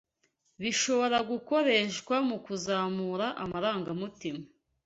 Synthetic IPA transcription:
βiʃo̞βo̞ɾaɡuko̞ɾe̞ʃkwamukuzaːmuɾaʔamaɾaːŋɡamutima

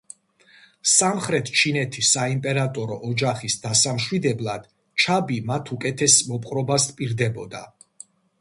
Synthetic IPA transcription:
samχɾɛt̪ʰt͡ʃʰinɛt̪ʰisːaimpʼɛɾat̪ʼɔɾɔ̰ʔɔd͡ʒaχisd̪asamʃwid̪ɛblˠad̪̥ | t͡ʃʰabimat̪ʰukʼɛt̪ʰɛsmɔpʼqʼɾɔbaspʼiɾd̪ɛbɔd̪a̰

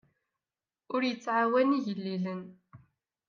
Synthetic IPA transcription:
ʊɾjət͡sːʕawæniʝəlːilən

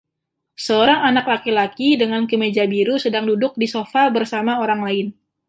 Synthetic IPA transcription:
səoɾaŋanaklakilakidəŋankəmed͡ʒabiɾusədaŋdudʊk̚disofabərsamaoɾaŋlaɪn

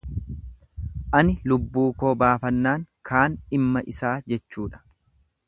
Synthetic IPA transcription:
ʔɐnɪlʊbːuːko̞ːbaːfɐnːaːŋkʰaːnɪmːɐʔɪsaːd͡ʒɛt͡ʃːuːᶑɐ̥

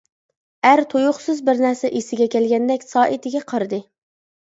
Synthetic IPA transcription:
æɾt̪ʰojʊχsɨzbɪɾnæɾsɛʔisɪɡʲɛkʲɛlɡʲɛnd̪ɛkʲsɑːʔɪt̪ɪɡʲɛqʰəɾɨd̪ɨ

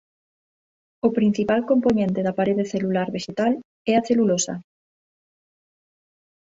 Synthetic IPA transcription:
ʊpɾin̟θipalkomponẽnt̪eðɐpaɾeðeθelulaɾβeʃet̪al | ɛaθelulosɐ̰

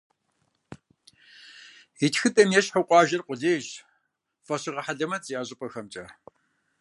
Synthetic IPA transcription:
itʰxɨtʼɐmjɛɕħəwqʷʼɑːʒɐrqʷʼʊɮeːʒ | fɐɕɪʁɐħaɮɐmɐt͡sʼijaːʑʼɪpʼɐxɐmt͡ʃʼɐ

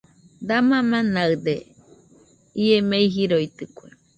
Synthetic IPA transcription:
d̪amamãnaɨd̪e | iemeiɦiɾojt̪ɨkʷe

